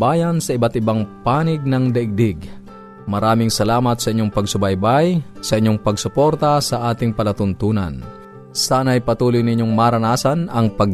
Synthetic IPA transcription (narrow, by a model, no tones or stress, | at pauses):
baːjansɐʔɪbat̪ɪbaŋpaːnɪɡ̚nɐŋd̪ɐʔɪɡ̚d̪ɪɡ | mɐɾaːmɪŋsɐlaːmɐt̪sɐʔɪɲːoŋpɐɡsʊbajbajsɐʔɪɲːoŋpɐɡsʊpo̞ɾt̪asɐʔaːt̪ɪŋpɐlɐt̪ʊnt̪uːnɐ̰n | saːnɐɐjpɐt̪uːlʊjnɪɲjoŋmaɾɐnaːsanɐŋpɐɡ